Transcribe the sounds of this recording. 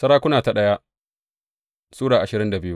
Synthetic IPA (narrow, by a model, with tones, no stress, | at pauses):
sɐ˦ɾaː˦kʷʊ˦naː˨ta˨ɗɐ˦ja˦ | suː˦ɽaː˨ʔa˨ʃɪ˨ɾɪ˦nda˨bɪ˦ju˦